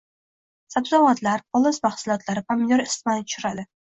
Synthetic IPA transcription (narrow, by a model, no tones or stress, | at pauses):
sabzawat̪laɾɒlˠɨsmaχsʊlˠɒt̪laɾɪpʰamj̪oɾɪst̪mant̪ʰʊ̥ʃʊɾad̪ɪ